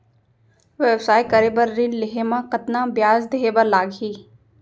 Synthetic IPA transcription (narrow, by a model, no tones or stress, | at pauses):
ʋewsaːikəɾebəɾːinlɪɦemãqət̪nãbjaːzd̪eɦebəɾlaːɡɦiː